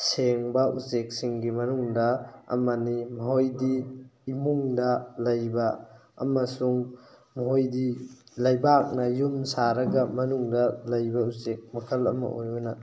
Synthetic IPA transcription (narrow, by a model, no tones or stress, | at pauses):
seŋbɐʔusek̚siŋɡimɐnuŋdɐ̰ːmɐnimɐɦojdiːmuŋdɐlɐjbɐ̰ː | mɐsuŋ | mɐɦojdilɐjbak̚nɐjumsaɾɐɡɐmɐnuŋdɐlɐjbɐusek̚mɐkʰɐlɐ̰mɐ̰ojunɐ